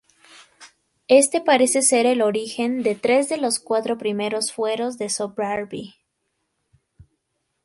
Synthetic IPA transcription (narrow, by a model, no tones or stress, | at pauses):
e̞st̪e̞paɾe̞se̞se̞ɾe̞lo̞ɾixe̞nd̪e̞t̪ɾe̞zðe̞lo̞skwat̪ɾo̞pɾime̞ɾo̞sfwe̞ɾo̞zðe̞sopɾaɾbi